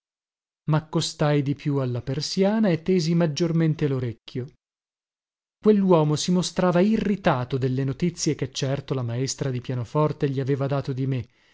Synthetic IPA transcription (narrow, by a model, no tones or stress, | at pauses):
makːost̪ajd̪ipjualːapersjaːnaet̪ːeːzimad͡ʒːorment̪eloɾekʲːjo | kwelːwɔːmosimost̪ɾaːvairːit̪aːt̪od̪elːenot̪it̪sːjek̟et͡ʃːɛrt̪olamaest̪ɾad̪ipjaːnofɔrt̪eʎiaveːvad̪aːt̪od̪ime